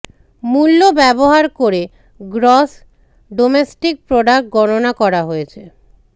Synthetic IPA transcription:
mulːobɛboɦaɾkoɾe | ɡɾɔs | ɖomesʈik̚pɾoɖakʈ̚ɡɔɽonakɔɾaɦojet͡ɕʰe

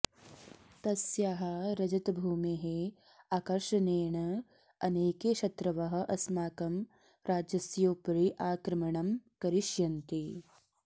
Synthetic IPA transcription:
t̪ɐsjaːɦɐɾɐd͡ʒɐt̪ɐbʱuːmeɦe | aːkɐɾʃɐneːɳɐ | ɐneːkeːʃɐt̪ɾɐʋɐɦɐ̆ʔɐsmaːkɐm | ɾaːd͡ʒjɐsjoːpɾiʔaːkɾɐmɐɳɐmkɐɾiʃjɐnt̪i

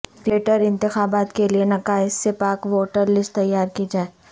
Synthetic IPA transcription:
feːʈəɾɪ̃nt̪ɪxaːbaːt̪kelienɐkaːɪsːepaːkʋoːʈəɾlɪsʈt̪ɐjːaːɾkid͡ʒaːe

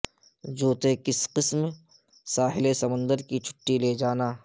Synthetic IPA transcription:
d͡ʒuːt̪ekɪsqɪsm | saːɦɪlesɐmə̃nd̪əɾkit͡ʃʰʊ̥ʈːileːd͡ʒaːnaː

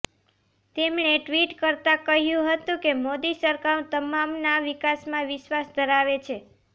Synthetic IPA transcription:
t̪emɳ̃eʈʋiʈkəɾt̪ãkəɦjũɦət̪ũkemod̪isəɾkaɾõt̪əmamnaʋikasmãʋɪʃʋasd̪ʱəɾaʋet͡ʃʰe

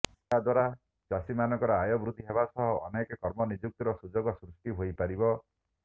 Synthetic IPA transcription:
ad̪waɾa | t͡ʃasimanɔŋkɔɾɔajɔbɾud̪ʱiɦebasɔɦɔʔɔ̰nekɔkɔɾmɔnid͡ʒuk̚t̪ɔɾɔsud͡ʒoɡɔsɾusʈiɦojpaɾibɔ

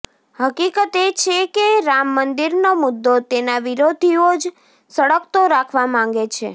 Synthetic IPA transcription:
həkikət̪et͡ʃʰekeɾamːənd̪iɾnomʊd̪ːot̪enaʋiɾod̪ʱiod͡ʒ | səɽəkt̪oɾakʰʋamãŋɡet͡ʃʰḛ

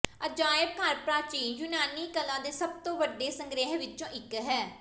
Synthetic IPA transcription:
əd͡ʒaːjɪb̚kʰaːɾpɾaːt͡ʃiːjʊnaːniːkəlãːd̪eːsəb̚t̪õːʋəɖːeːsəŋɡɾeːɦʋɪt͡ʃõːʔɪkɦɛː

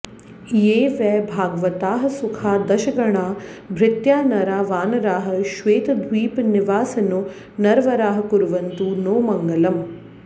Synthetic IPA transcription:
jeːʋɛːbʱaːɡɐʋɐt̪aːɦɐ̆sukʰaːd̪ɐʃɐɡɐɳaːbʱɾɪt̪jaːnɐɾaːʋaːnɐɾaːɦɐ̆ʃʋeːt̪ɐd̪ʱʋiːpniʋaːsɐnu | nɐɾʋɐɾaːɦɐ̆kuɾuʋɐnt̪unoːmɐŋɡɐlɐm

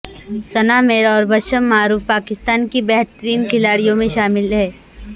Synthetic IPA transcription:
sɐnaːmeːɾɔːɾbɐʃəmːaːɾuːfpaːkɪst̪aːnkibɛɦt̪əɾiːnkʰɪlaːɽijõmẽʃaːmɪlɦɛː

